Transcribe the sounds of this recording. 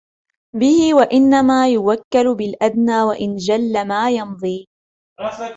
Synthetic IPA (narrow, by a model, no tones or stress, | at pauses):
bɪhɪwaʔɪnːamaːjʊwakːalbɪlʔad̪naːwaʔɪnd͡ʒalːamaːjɑmd̪ˤiː